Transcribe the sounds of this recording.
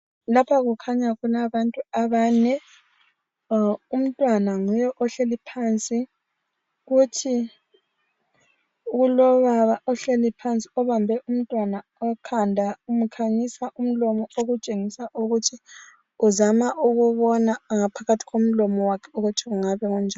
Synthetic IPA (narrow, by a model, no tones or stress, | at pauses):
lapʰaɣukʰaɲaɣunaβantʼuaβaːnɛ | um̩tʼwanaŋujɛʔɔɬelipʰant͡sʼi | ɣutʰi | ɣulɔβaβaʔɔɬelipʰant͡sʼi̥ɔβambʱɛʔum̩tʼwanaɔkʰandʱaum̩kʰaɲisaʔum̩lɔmɔoɣut͡ʃʼeŋisaʔuɣutʰi | uzamaʔuɣuβɔnaŋapʰaɣatʰi̥ɣom̩lɔmɔwakʰɛ̥uɣutʰiɣuŋaβɛŋɔnd͡ʒʱal